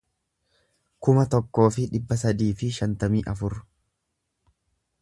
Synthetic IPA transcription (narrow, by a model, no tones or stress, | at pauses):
kʊmɐt̪ɔkːo̞ːfɪᶑɪbːɐsɐd̪iːfɪʃɐnt̪ɐmiːʔɐfʊɾ